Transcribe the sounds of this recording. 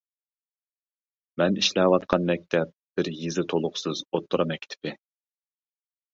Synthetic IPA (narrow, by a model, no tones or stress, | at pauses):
mɛniʃlɛwɑt̪̚qʰɑnmɛk̚ʲt̪ʰɛp̚b̥ɪɾjizɪt̪ʰolˠʊχsɨzot̪ʰːʊɾɑmɛk̚ʲʰːt̪ʰɪ̥pɪ